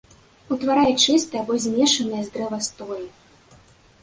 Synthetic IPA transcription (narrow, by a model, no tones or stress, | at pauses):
ut̪vaɾajɛt͡ʂɨst̪ɐjabɔzʲmʲɛʂɐnɐjɐzd̪ɾɛvɐst̪ɔlʲi